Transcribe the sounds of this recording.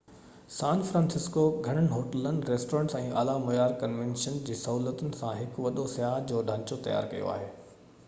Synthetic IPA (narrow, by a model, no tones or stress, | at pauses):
sãːnfɾãːnsɪskoɡʱɐɽ̃ənɪ̆ɦoːʈələnɪ̆ɾeːsʈoɾə̃ːɳʈsɛ̃ːʔa̰ːlamʊjaːɾkɐnʋẽːnʃənd͡ʑiːsɐɦuːlət̪ʊnɪ̆sãɦɪkʋɐɗosjaːɦd͡ʑoːɗʱãːt͡ɕot̪ɐja̰ːɾkɐ̰jo̰a̰ːɦeː